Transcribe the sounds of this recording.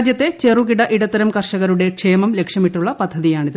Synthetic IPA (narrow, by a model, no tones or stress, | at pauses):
d̪jɐt̪ːe̞t͡ɕe̞rukiɽɐʔiɽɐt̪ːɐɾɐmkɐrʂɐɣɐɾuɽe̞kʂe̞ːmɐmle̞kʂjɐmiʈːuɭːɐpɐd̪ʱːɐðijaːɳiðɨ